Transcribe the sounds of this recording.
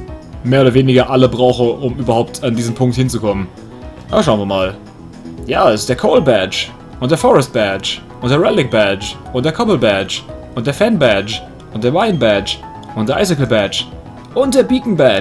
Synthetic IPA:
meːɐoːdɐveːnɪɡɐʔaləbʁaʊxəʔʊmyːbɐhaʊp̚tʰandiːzən̩mpʰʊŋkthɪnt͡sukʰɔmən | jaːʃaʊnviːɐmaːl | jaːɪstd̥eːɐkʰoʊlbɛt͡ʃ | ʔʊntd̥eːɐfɔʁɛst̚b̥ɛt͡ʃ | ʔʊnt̚d̥eːɐʁɛlɪk̚b̥ɛt͡ʃʔʊnt̚d̥eːɐkʰɔpl̩bɛt͡ʃʔʊnt̚d̥eːɐfɛnbɛt͡ʃ | ʔʊnt̚d̥eːɐmaɪnbɛt͡ʃ | ʔʊntdeːɐʔaɪs̬ɪkl̩bɛt͡ʃ | ʔʊnt̚d̥eːɐbiːkŋ̩bɛ

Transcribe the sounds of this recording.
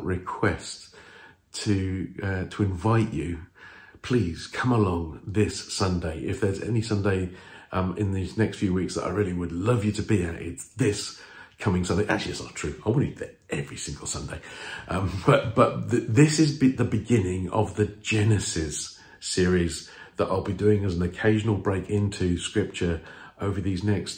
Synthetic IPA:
ʔɹɪkʰw̥ɛs | tʰɨʌtʰəɪ̃ɱvaɪt͡ʃɨpʰl̥iːz̥kʰʌ̃məlɒ̃ŋðɪsːʌ̃ndeɪʔɪfðə˞zɛ̰nisʌ̃ndeɪʌ̃mɪ̰̃nðiznɛkstfjʉwiˑksðə̰ɾa̰ɪɹɪəlˠiwədˡlʌvjɨɾəbiɨtɪ̰tsðɪs | kʰʌmɪ̃ŋsʌ̃ndeɪæ̰k̚t͡ʃəl̩ˠiɪtsnə̰tʰɹ̥ʉaɪwɑ̃nɨ̰ | ʔɛvɹisɪ̃ŋɡəl̩ˠsʌ̰̃ndeɪʔʌ̃mb̥ʌt̚b̥ʌt̪̚ððɪsɪzbðəbɪɡɪ̃nɪ̃ŋə̰vðɨd͡ʒɛnɨsɪz̥ | sɪəɹiz | ðəɾʔa̰ɪlˠbidʉːɪ̃ŋɨz̃n̩əkʰeɪʒnəl̩ˠbɹeɪkʰɪ̃ntʰʉskɹɪp̚t͡ʃə˞ʔəʊvə˞ðiznɛkst

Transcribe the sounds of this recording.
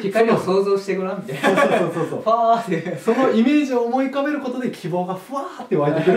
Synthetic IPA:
kʲikaɾʲioso̞ːzo̞ːɕi̥t̪e̞kɯ̟ɾãmʲit̪aosoːoɸaːt̪ːeso̞no̞ime̞ːʑioːmo̞ikabe̞ɾɯ̟ko̞t̪o̞d̪e̞kʲʰibo̞ːɡaɸɯ̟at̪ːe̞βaɾit̪ekɯɾ

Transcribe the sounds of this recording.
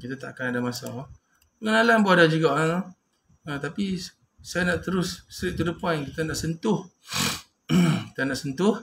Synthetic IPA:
kit̪at̪aʔakanadamasa̰ | pəŋənalanbuadad͡ʒuɡaʔa | ət̪api | sajanaʔt̪əɾʊsːɾiʔt̪ːudəpajkit̪anaʔsənt̪ʊh | kit̪ənaʔsənt̪ʊh

